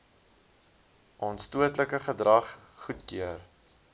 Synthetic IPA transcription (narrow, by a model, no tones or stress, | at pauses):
ʔɑːnstuətləkəχədrɐχχutkyər